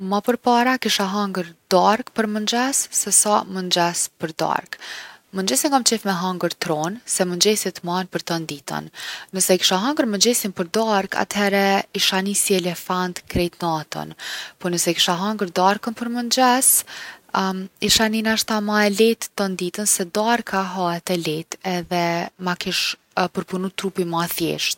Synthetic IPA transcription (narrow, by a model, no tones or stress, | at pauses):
mapəɾpaɾakiʃaɦaŋɡəɾd̪aɾkpəɾmənd͡ʒɛsːɛsamənd͡ʒɛspəɾd̪a̰ɾkmənd͡ʒɛsiŋɡamt͡ʃɛfmɛɦaŋɡəɾt̪ɾɔnsɛmənd͡ʒɛsit̪əmanpəɾt̪ənd̪it̪ə̰nːəsɛki̥ʃaɦaŋɡəɾmənd͡ʒɛsinpəɾd̪aɾkʰa̰t̪hɛɾɛiʃanisiɛlɛfant̪kɾɛjt̪nat̪ɔ̰npɔnəsɛki̥ʃaɦaŋɡəɾd̪aɾkənpəɾmənd͡ʑɛs | iʃaninaʃt̪amaɛlɛt̪ːənd̪it̪ənsɛd̪aɾkʰaɦaɛt̪ɛlɛt̪ɛðɛmakiʃ | pəɾpunut̪ːɾupimaθjɛ̰ʃt̪